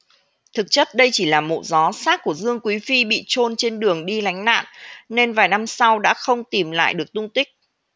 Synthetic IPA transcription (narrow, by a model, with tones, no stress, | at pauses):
t̪ʰɨ˨˩k̚t͡ɕə˦˥t̚ɗə˧jt͡ɕi˧˩laː˨˩mo̰˧˨zɔ˨˦saː˦˥t̚ku˧˩əzɨ˧əŋkwi˨˦fi˧ɓḭ˧˨t͡ɕo˧nt͡ɕe˧nɗɨ˨˩əŋɗi˧la˨˦jŋ̟na̰ː˧˨nne˧nvaː˨˩jna˧msa˧wɗa̰ː˧˥xə˧wŋ͡mt̪i˨˩mla̰ː˧˨jɗɨ˨˩ək̚t̪ʊ˧ŋ͡mt̪ï˦˥k̚